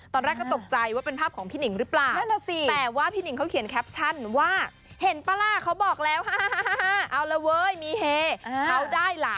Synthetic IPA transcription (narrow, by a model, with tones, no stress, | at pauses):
t̪ɔː˧nɾɛː˥˩kːɔ˥˩˥t̪o˨˩k̚t͡ɕa˧jwaː˥˩pe˧npʰaː˥˩p̚kʰɔː˩˦ŋpʰiː˥˩nɯ˩˦ŋɾɯ˦˥plaː˩˨˩wla˧˩si˧˩t̪ɛː˨˩waː˥˩pʰiː˥˩ni˨˩˦ŋkʰa˦˥wkʰi˩ənkʰɛ˦˥p̚t͡ɕʰa˥˩nwaː˥˩ | he˨˩˦npa˧laː˧˩kʰa˦˥wbɔː˨˩k̚lɛː˦˥wɦaː˥ha˥˩ɦa˦˥˩ɦa˦˥ɦa˦˥˩ʔa˧wla˦˧˥wɤː˧˥jmiː˧˥˩ɦeː˧˩kʰa˦˥wdaː˥˩jla˦˩